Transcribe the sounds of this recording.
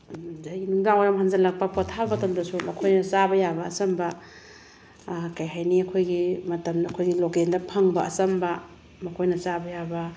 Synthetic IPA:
zaɡinuŋdaŋoɾɐmɦanzɐlɐk̚pɐpotʰːabbɐtɐmdɐsumɐkʰojnɐt͡ʃabɐjabɐːsɐmbɐ | kajɦajniɐkʰojɡimɐtɐmnɐkʰojɡilokendɐpʰɐŋbɐɐsɐmbɐ | mɐkʰojnɐsabɐjabɐ

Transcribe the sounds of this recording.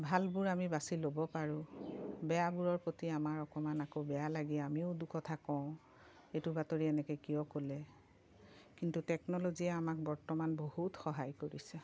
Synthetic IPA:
bʱalbuɹamibasilobɔpaɹʊ̃bɛjabuɹɔɹpotiamaɹɔkɔmanakobɛjalaɡiamiʊdukɔtʰakɔ̃ʊ̃ | ejtubatoɹiɛnɛkɛkijɔkolɛ | kintutɛknɔloziɛamak̚bɔɹtɔmanbohutxɔɦajkoɹisɛ

